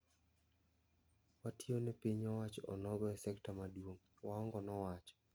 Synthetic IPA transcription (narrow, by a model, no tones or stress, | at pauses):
watʰionɛpiɲɔwat͡ʃɔ̰nɔɡɔɛsɛktamadwoŋ | waɔŋɡɔnɔwat͡ʃɔ̥